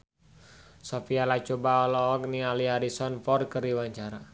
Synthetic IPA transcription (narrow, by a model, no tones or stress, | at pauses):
sɔfialat͡ʃobaɔlɔɔk̚nialiɦaɾisɔnfɔrkəriwaɲt͡ʃaɾa